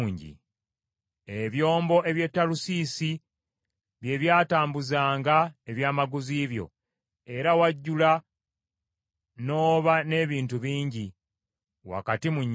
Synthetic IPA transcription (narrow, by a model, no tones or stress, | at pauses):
ɲɟḭ | eβjo̞ːmbo̞ʔe̞βje̞tːalusisi | βje̞βjaːtaːmbuzaːŋɡaeβjaːmaɡuziːβjo̞̰ | e̞ɾawaɟːula | no̞ːβane̞ːβiːntuβiːɲɟi | wa̰katimuɲː